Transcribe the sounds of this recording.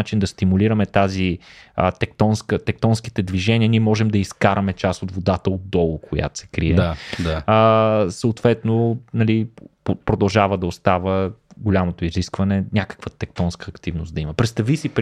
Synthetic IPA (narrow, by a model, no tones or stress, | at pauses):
at͡ʃind̪ɐst̪imuliɾɐmɛt̪azit̪ɛkt̪ɔnskət̪ɛk̚t̪ɔnski̥t̪ɛd̪viʒɛnʲiəniɛmɔʒɛmd̪ɐiskaɾɐmɛt͡ʃasot̪vod̪at̪əod̪̚d̪ɔlˠʊkʰoja̰t̪o̥sɛ̥kɾiɛaəsəot̪vɛt̪nonɐlippɾod̪ɐlˠʒavəd̪ɐost̪avəɡolʲamot̪oiziskvɐnɛnʲakə̥kvət̪ɛk̚t̪ɔnskəːkt̪ivnosd̪ɐimɐpɾɛt̪st̪ɐvisip